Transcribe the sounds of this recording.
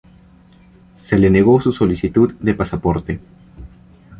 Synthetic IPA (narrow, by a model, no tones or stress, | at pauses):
seleneɣosusolisit̪ud̪d̪epasapoɾt̪e